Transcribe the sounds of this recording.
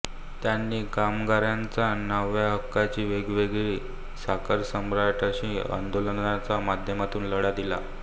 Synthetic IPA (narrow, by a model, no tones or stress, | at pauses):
t̪janːiːkamɡaɾjant͡sanəʋjaɦəkːat͡ɕiːʋeɡʋeɡɾiː | sakəɾsəmɾaʈəɕĩːa̰nd̪olənat͡samad̪ʱjəmat̪uːnləɽad̪ila̰